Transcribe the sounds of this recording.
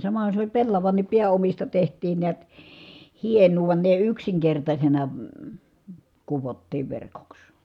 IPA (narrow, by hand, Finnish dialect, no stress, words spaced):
sɑmɑhɑn̞ se olʲ pelːɑʋɑnːip piæomistɑ tehtˑiːn niæt hienˑuː ʋŭɑn ne yksiŋkertɑsʲenɑ kuʋotːiːʋ ʋerkoks